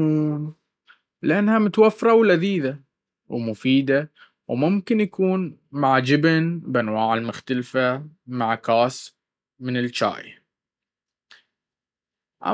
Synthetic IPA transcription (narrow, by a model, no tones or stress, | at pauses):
lɪʔanːhamʊt̪wafːɾˤɑwlaðiːða | wmʊfiːd̪a | wmʊmkɪnjakuːnmaʕd͡ʒɪbnbʔanwaːʕɪlmʊxt̪alfamaʕkaːs | mɪnɪlt͡ʃa̰ːja̰ | ʔa̰